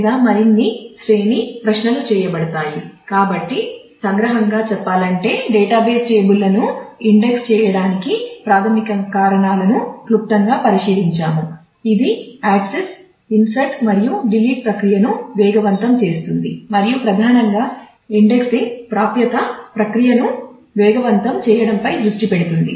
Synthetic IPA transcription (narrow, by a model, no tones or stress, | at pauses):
ɡ̪aːmɐɾinːisɾe̞ːnipɾɐʂnɐlut͡ʃɛːjɐbɐɽɐt̪aːjikaːbɐʈːi | sɐŋɡɾɐɦɐŋɡaːt͡ʃɛpːaːlɐɳʈe̞ːɖɛːʈaːbeːst͡ʃeːbulːɐnuiɳɖekst͡ʃɛːjɐɽaːnikipɾaːt̪ʰɐmikɐkaːɾɐɳaːlɐnuklup̚t̪ɐŋɡaːpɐɾiʂiːd̪iɲt͡ʃaːmu | id̪iaːʈses | insɐʈmɐɾijuɖiliːʈ̚pɾɐkɾijɐnuʋɛːɡɐʋɐnt̪ɐmt͡ʃe̞ːst̪und̪imɐɾijupɾɐd̪ʱaːnɐŋɡaː | iɳɖe̞ksipɾaːpjɐt̪ɐpɾɐkɾijɐnu | ʋɛːɡɐʋɐnt̪ɐmt͡ʃɛːjɐɽɐmpɐjd̪ɾuʂʈipeɽut̪und̪ḭ